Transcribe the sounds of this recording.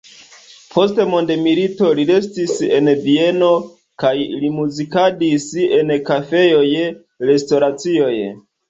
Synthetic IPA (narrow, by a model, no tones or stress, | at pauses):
pʰo̞stemo̞ndemilito̞liɾe̞stise̞̰nvie̞no̞ | kajlimuzikadise̞nkafe̞jo̞j | ɾe̞sto̞ɾat͡sio̞j